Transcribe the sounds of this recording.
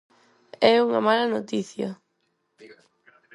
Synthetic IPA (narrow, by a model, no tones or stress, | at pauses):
ɛuŋɐ̰malɐnot̪iθjɐ̰